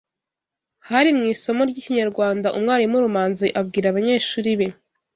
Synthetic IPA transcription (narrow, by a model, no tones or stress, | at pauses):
haɾimŋiːso̞mo̞ɾɟiːciɲaɾɡwaːndaʔumŋaːɾimuɾumaːnziʔabɡiːɾaβaɲe̞ːʃuːɾiβe̞